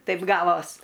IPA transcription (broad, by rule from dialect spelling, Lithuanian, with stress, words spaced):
ˈtɐɪp ˈɡɑːʋoːs